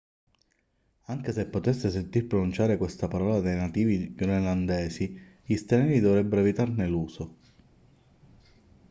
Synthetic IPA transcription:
aŋk̟esepːot̪esːes̬ent̪irpɾonunt͡ʃaːɾekwest̪apaɾɔːlad̪ejnat̪iːvioneland̪ɛːsi | ist̪enɛːɾid̪ovɾɛbːeɾoevit̪arneluːso

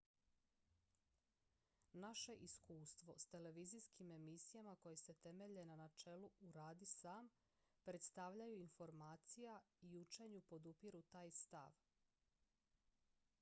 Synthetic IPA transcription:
naʃe̞ʔiskuːst̪ʋo̞st̪e̞le̞ʋizijskime̞misijamako̞je̞se̞t̪e̞me̞ʎe̞nanat͡ʃe̞luuɾaːd̪isaːm | pɾe̞t̪st̪aʋʎajuinfo̞ɾmaːt̪sijaiut͡ʃe̞ɲupo̞d̪upiɾut̪aːjst̪a̰ʋ

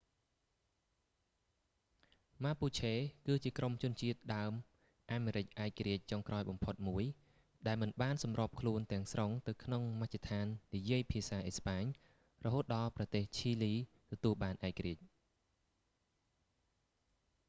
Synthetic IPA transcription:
maːpuːt͡ɕʰeːkɨːt͡ɕiəkromt͡ɕʊ̆ənt͡ɕiət̪̚ɗaəm | ʔaːmeːɾɨc̚ʔaɛkːaɾiəc̚t͡ɕoŋkraɔjɓɑmpʰot̪̚muəj | ɗaɛlmɨnɓaːnsɑmrŏəp̚kʰluənt̪ɛ̆əŋsroŋt̪ɨwkʰnoŋmat͡ɕʰːat̪ʰaːnːijiəjpʰiəsaːʔehspaːɲ | rɔɦoːt̪̚ɗɑːlprɑt̪eːht͡ɕʰiːliː | t̪ɔt̪uəlɓaːnʔaɛkːəɾiəc̚

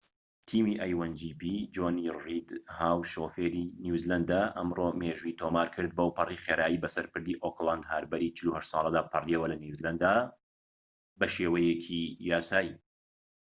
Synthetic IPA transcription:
t̪ʰiːmiːʔaːjwɐnd͡ʒiːpid͡ʒoːnirid̪haːwʃofeːɾinuzland̪aʔɐmroːmeʒuit̪ʰomaːɾkʰɨɾd̪̚bɐwpʰɐriχeːɾaːjiːbɐsɐɾpɨɾd̪iːʔoklˠand̪haːɾbɐɾiːt͡ʃɨluhɐʃt̪sˤɑ̰ːlˠɐd̪aːpʰɐrjewɐlɐniuzlɐnd̪a | bɐʃeːwɐjɛkʰijaːsaːjiː

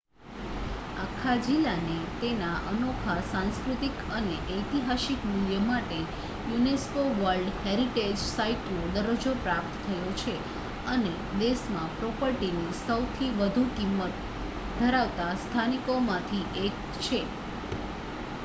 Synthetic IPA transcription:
akʰːad͡ʒilːanet̪enaʔənokʰasãnskɾut̪ikəneʔəjt̪iɦaʃikmuljəmaʈe | juneskoʋəɾɖheɾiʈed͡ʒsaiʈnod̪əɾod͡ʒopɾap̚t̪ʰːəjot͡ʃʰe | əne | d̪eʃmãpɾɔpəɾʈinisəwt̪ʰiʋəd̪ʱukimːət̪ | d̪ʱəɾaʋt̪ast̪ʰanikomãt̪ʰiʔek̚ | t͡ʃʰe

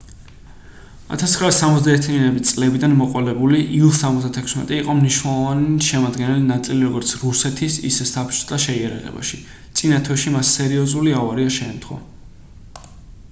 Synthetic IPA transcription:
a̰t̪ʰast̪χɾaːsːamɔt̪zd̪aɛɾt̪ʰianɛbist̪sʼlɛbid̪anmɔqʼwalɛbuliʔilˠsːamɔt̪zd̪at̪ʰɛkʰsmɛ̰t̪ʼiiqʼɔmniʃnɛlˠɔvaniʃɛmad̪ɡɛnɛlinat̪sʼiliɾɔɡɔɾt̪sʰɾusɛt̪ʰisḭsɛsapʰt͡ʃʰʼsd̪aʃɛiaɾa̰ʁɛ̰ba̰ʃi | t̪sʼinat̪ʰwɛʃimasːɛɾiɔzuliavaɾiaʃɛːmt̪ʰχwa̰

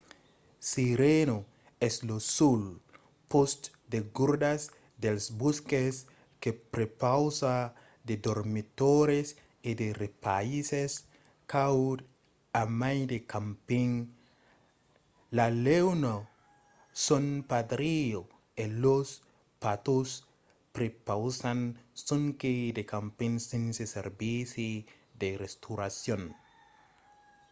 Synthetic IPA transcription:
siɾeno | eslosul | post̪ | d̪eɡuɾdas | d̪elsbuskes | kepɾepawsa | d̪ed̪oɾmit̪oɾes | id̪erepa̰ises | kawd | amajd̪ekampiŋ | lalewno | sonpad̪ɾio | elos | pat̪os | pɾepawsansoŋked̪ekampiŋsinseseɾbisi | d̪erest̪uɾasjon

